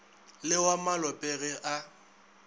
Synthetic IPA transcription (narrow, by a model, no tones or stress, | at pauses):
lɪwamalɔpʼɛɣɛʔa